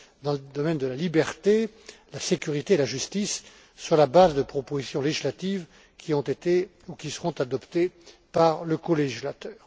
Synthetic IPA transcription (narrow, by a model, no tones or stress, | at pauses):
d̪ɑ̃ləd̪ɔmɛnd̪əlalibɛʁt̪e | lasekʲyʁit̪eːlaʒyst̪isː | yʁlabazd̪əpχɔpozisjɔ̃leʒislat̪iv | kʲiɔ̃t̪et̪e | ukʲisə̥ʁɔ̃t̪ad̪ɔpt̪epaʁləkɔleʒislat̪œːʁ